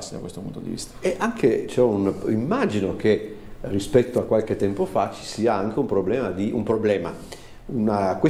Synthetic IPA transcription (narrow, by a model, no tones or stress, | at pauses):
sid̪a̰kwest̪opunt̪od̪ḭvḭst̪ḁeʔaŋkʰet͡ʃɛunimːaːd͡ʒinok̟erispɛt̪ːoakːwalk̟et̪ːɛmpofat͡ʃi̥siːaaŋk̟eumpɾoblɛːmad̪iʔumpɾoblɛːma | unakwe